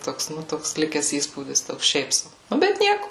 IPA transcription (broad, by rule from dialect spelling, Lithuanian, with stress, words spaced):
ˈtoːks ˈnʊ ˈtoːks ˈlʲɪkʲɛs ˈiːspuːdʲɪs ˈtoːks ˈʃʲɛɪp ˈsɐʊ ˈnʊ ˈbʲɛt ˈnʲiɛkʊ